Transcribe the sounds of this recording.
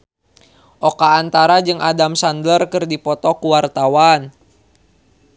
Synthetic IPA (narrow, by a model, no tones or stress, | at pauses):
ʔɔkaːnt̪aɾad͡ʒɨŋʔadamsandlərkɨrdipɔt̪ɔkuwart̪awan